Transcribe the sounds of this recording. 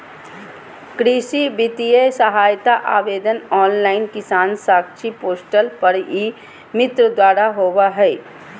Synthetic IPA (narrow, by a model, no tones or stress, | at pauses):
kɾiːsibɪt̪ijesəɦaːjt̪aʔa̰ːʋeːd̪ənɔːnlaːɪnkɪsaːnsaːkt͡ʃʰipoːsʈəlpəɾi | mɪt̪ɾəd̪waːɾaɦoːwaɦɛː